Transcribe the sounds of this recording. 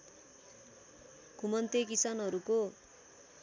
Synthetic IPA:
kumʌnt̪ekisanʌɾuko

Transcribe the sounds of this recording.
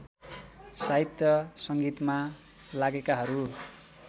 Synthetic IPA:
saɦit̪jʌsʌŋɡit̪ma | laɡekaɦʌɾu

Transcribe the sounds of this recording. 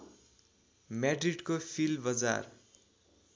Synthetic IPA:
maɖriɖkofʰilbʌd͡za̰r

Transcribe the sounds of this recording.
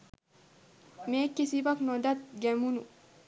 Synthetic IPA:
mekːisibɐknɔd̪ɐt̪̚ɡemunu

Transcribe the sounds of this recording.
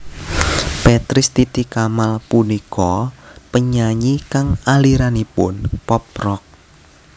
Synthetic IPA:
pet̪ɾɪst̪it̪ikamalpunikɔpəɲaɲikaŋaliɾanipʊnpɔp̚ɾɔk̚

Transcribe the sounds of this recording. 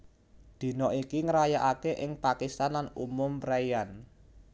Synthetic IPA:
d̪̥i̤nɔʔikiŋəɾajaʔakeʔɪŋpakist̪anlanumʊmraijan

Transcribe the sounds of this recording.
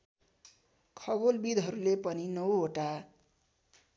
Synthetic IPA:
kʰʌɡolbid̪ʱɦʌɾulepʌninʌwoʈa

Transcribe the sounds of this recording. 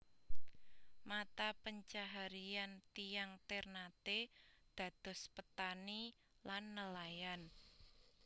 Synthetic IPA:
mat̪apəɲt͡ʃaɦaɾiant̪ijaŋt̪ernat̪ed̪̥ä̤d̪̥ɔ̤spət̪ani | lanːəlajan

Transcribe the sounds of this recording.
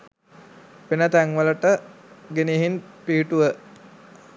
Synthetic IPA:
penət̪æŋʋələʈə | ɡeneɦinpiɦiʈuʋə

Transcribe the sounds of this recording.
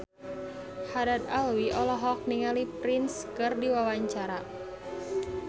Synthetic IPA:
haɾat̪alwiʔɔlɔɦɔk̚niŋalipɾinskɨrdiwawaɲt͡ʃaɾa

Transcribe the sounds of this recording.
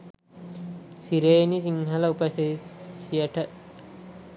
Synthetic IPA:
siɾeːnisiŋɦɐlɐupɐseijɐʈʰɐ

